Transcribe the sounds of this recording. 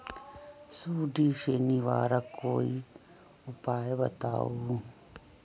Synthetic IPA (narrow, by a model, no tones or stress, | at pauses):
suɖiʂeniʋa̰ːɾakʰoi | upaːjebɐt̪a̰u